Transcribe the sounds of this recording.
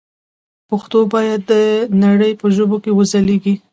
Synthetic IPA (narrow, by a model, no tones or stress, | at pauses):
paxt̪obɑjad̪ːənaɽəjpəʒobokewəzaleɡi